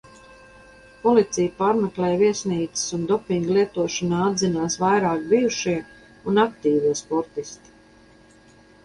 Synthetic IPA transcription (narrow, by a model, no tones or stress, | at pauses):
pɔlit̪sijpaːɾmɛklɛːjviɛsniːt̪sɪ̥sund̪ɔpiŋɡlˠiɛt̪uɔʃanaːad̪zinaːsvajɾaːkbijuʃiɛ | unakt̪iːviɛspɔɾt̪ist̪i̥